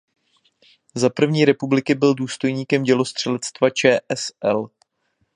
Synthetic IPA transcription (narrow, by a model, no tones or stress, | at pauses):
zapr̩vɲiːɾɛpublɪkɪbɪlduːst̪o̞jɲiːkɛmɟɛlo̞st̪r̝̥ɛlɛt͡st̪vat͡ʃɛːʔɛsʔɛl